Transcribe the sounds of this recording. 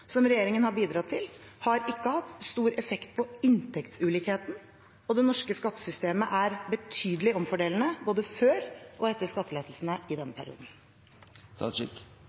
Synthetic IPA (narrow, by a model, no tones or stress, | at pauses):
sɔmɾɛjeːɾɪŋənhɑɾbiːd̪ɾɑt̪ʰːɪlhɑɾɪkːəhɑt̪ːst̪uːɾɛfɛkt̪̚pʰɔɪnt̪ʰɛkt̪sʉːliːkheːt̪n̩ | ɔd̪ɛnɔʂkəskɑt̪ːə̥sʏst̪eːməʔæɾbət̪ʰyːd̪əlɪɔmfɔɖeːln̩əboːd̪əføːɾʔɔɛt̪ːəskɑt̪ːəleːt̪lsn̩əɪd̪ɛnːəpʰæɾɪ̰ṵːd̪n̩ | t̪ʰɑ̰ʂɪ̰k